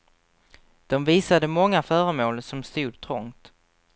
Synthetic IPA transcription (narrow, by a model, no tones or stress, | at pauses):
d̪̥ɔmviːsad̪əmɔŋːafœːɾəmoːlsɔmst̪uːd̪̚t̪ʰɾɔŋt̪